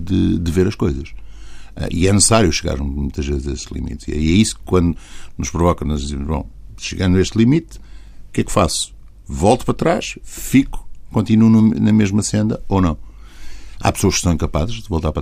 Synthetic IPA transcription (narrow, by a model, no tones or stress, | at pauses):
d̪ɨ̰d̪ɨveɾɐʃkojzɐʃɛ̰ʔḭɛnɨsɨsaɾjuʃɨɣa̰ɾmũj̃t̪ɐʒvezzɐeslˠḭmḭt̪iɛ̰iɛisu̥kkwɐ̃nd̪unuʃpɾuvɔkɐnɔʒd̪izimuʒβɐ̰̃w̃ʃɨɣɐ̃nd̪eʃt̪lˠimit̪ukɛkfa̰su̥ | vɔlˠt̪u̥pɾɐt̪ɾaʃfiku̥kõnt̪inununɐmeʒmɐsẽnd̪ɐonɐ̃w̃ | a̰psoɐʃksɐ̃w̃ẽkɐpazʒðɨvolˠt̪aɾpɾ